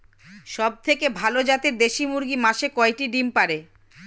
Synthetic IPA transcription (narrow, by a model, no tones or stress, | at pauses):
ʃɔb̚t̪ʰekebʱalod͡ʑat̪iɾd̪eʃimuɾɡimaʃekɔeʈiɖimpaɾe